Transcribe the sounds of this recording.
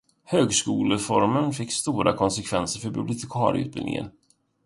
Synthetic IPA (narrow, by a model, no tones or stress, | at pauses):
høːɡskuːləfɔɾmənfɪkːst̪uːɾʔa̰kʰɔnsɛkʰvɛnsəɾfœɾbɵblɪt̪ʰɪkʰɑːɾɪ̰ʉ̟ːt̪̚bɪ̰lnɪ̰ŋʔə̰n